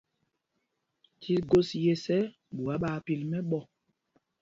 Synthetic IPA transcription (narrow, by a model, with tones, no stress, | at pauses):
tʰi˦ɡo˦sje˦sɛ˦ | ɓu˨a˨˦ɓa˨pi˦˨lmɛ˦ɓɔ˦˨